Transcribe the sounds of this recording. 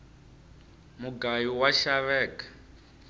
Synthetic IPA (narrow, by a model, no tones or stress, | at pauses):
muɡajiwaʃaβɛːkḁ